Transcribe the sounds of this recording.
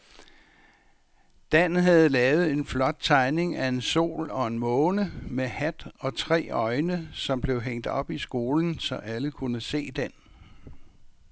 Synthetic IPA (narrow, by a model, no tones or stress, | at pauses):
d̥æn̩ɦæð̞̩ˠlɛːʊð̩ˠe̝nflɒ̽d̥̚t͡sʰɑ̈ɪne̝ŋæe̝nso̝̰ːlɒ̽e̝nmɔːnəmehæd̥ɒ̽t͡sʰʁɛ̰ːɒ̽ɪnəsɒ̽mb̥le̝ʊɦeŋ̰d̥ɒ̽b̥isɡ̥o̝ːln̩sɒ̽ʔæləkʰunəse̝̰ːd̥en